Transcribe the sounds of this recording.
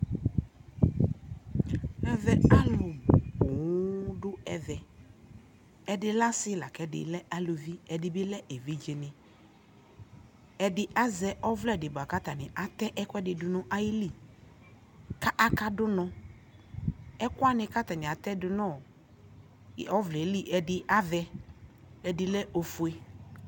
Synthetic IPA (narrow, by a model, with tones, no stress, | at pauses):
ɛ˦vɛ˨a˦lʊ˨bʊ˨bʊ˨ŋʊ˦ɖʊ˦ɛ˦vɛ˨ | ɛ˦dɪ˦la˦sɪ˦la˨kɛ˦dɪ̰˨lɛ˦ʔa˦lo˨vi˦ɛ˨dɪ˨bɪ˦lɛ˦ʔe˨vi˦d͡ʒe˨nɪ̃˨ | ɛ˨dɪ˦ʔa˦zɛ˦ʔɔ˦vlɛ˦˨dɪ˨ba˨ka˦t̪a˨nɪ̃˨ʔa˨t̪ɛ˦ʔɛ˦kʊ˦ɛ˦dɪ˨dʊ˨nʊ̃˦ʔa˦jɪ˦li˦˨ | ka˦ʔa˨ka˦dʊ˦nɔ̃˦ | ɛ˦kʊ˦a˦nɪ̃˦ka˦t̪a˨nɪ̃˨a˨t̪ɛ˦dʊ˦nɔ̃˦˨˦ | ɔ˦vlɛ˨˦li˦ʔɛ˨dɪ˦ʔa˦vɛ˦ | ɛ˨dɪ˨lɛ˦ʔo˨fu˨e˦